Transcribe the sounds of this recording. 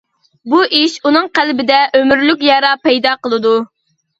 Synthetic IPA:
buʔiʃunɨŋqælbɪd̪ɛʔømyɾlyk̬ʲjɑɾɑpɛjd̪ɑqəlˠɨd̪u

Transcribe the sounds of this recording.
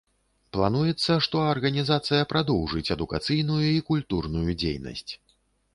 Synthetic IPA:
plˠan̪ujɛt̪sːɐʂt̪ɔɐrɣɐnʲizat̪sɨjɐpɾʔad̪ɔwʐɨt͡sʲɛd̪ukat̪sɨjnujuikulʲt̪urnujud͡zʲḛjnɐ̰sʲt͡sʲ

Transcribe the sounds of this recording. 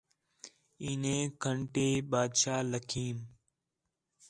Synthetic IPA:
iːnẽːkʰəɳʈeːɓaːd̪ʃaːləkʰiːm

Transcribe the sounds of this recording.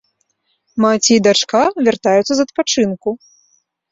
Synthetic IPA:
mat͡sʲid̪at͡ʂkavʲart̪ajut̪sːɐzɐt̪̚pat͡ʂɨnku

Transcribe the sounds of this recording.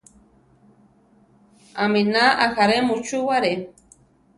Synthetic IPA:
aminaʔaxaɾemut͡ʃuwaɾe

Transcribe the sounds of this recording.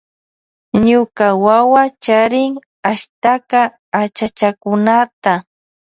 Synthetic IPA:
ɲʊkawawat͡ʃaɾɪŋ | aʃt̪akaː | t͡ʃat͡ʃakʊnat̪a

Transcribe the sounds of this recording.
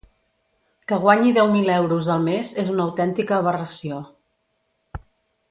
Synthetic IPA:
kəɣ̞waɲiðɛwmilɛwɾuzəlˠmezezunəwt̪ɛnt̪ikəːβ̞ərəsio

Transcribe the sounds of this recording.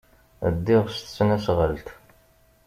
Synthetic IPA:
əd̪ːɪʁst̪ə̥t͡sːnæsʁəlt̪

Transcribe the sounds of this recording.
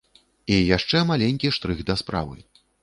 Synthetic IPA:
ijaʂt͡ʂɛmalʲenʲkʲiʂt̪ɾɨxd̪ɐspɾa̰vɨ̰

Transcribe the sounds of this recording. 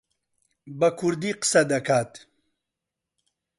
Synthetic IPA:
bɐkʰuɾd̪iqsɐd̪ɐkaːt̪

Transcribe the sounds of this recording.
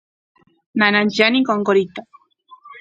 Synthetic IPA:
nanant͡ʃianikoŋkoɾit̪a

